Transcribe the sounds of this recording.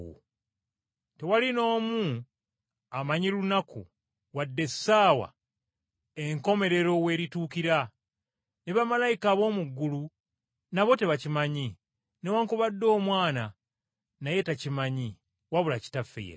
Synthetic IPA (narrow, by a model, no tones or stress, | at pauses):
te̞walino̞ːmu | amaɲilunaku | wadːe̞sːaːwa̰ | eŋko̞me̞ɾe̞ɾo̞we̞ːɾituːkiɾa | neβamalajikaβo̞ːmuɡːulu | naβo̞te̞βacimaɲi | newaŋkuβadːo̞ːmwaːna | naje̞tacimaɲi | waβulaci̥tafːḛj̰